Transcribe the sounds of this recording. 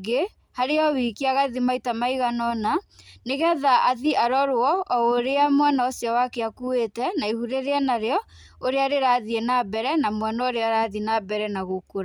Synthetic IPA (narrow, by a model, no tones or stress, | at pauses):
ɡe | haɾeɔwikiaɣaðimaitamaiɣanɔnaneɣɛðaʔaðiʔaɾɔɾwɔɔoɾeamwanaosjɔwakeakuwetɛnaihuɾeɾeanaɾeɔ | oɾeaɾeɾaðienabɛɾɛnamwanɔoɾeaɾaðinabɛɾɛnaɣokoɾa